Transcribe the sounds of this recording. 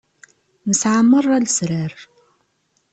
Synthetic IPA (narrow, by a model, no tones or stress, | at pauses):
məsʕamːərˤːalsɾæɾ